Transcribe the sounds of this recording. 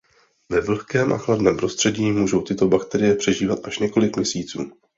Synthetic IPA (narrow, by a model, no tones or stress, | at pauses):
vɛvl̩xkɛːmʔa̰xladnɛːmpɾo̞st̪r̥ɛɟiːmuːʒo̞wt̪ɪt̪o̞bakt̪ɛɾɪjɛpr̝̥ɛʒiːvat̪ʔaʃɲɛko̞lɪkmɲɛsiːt͡suː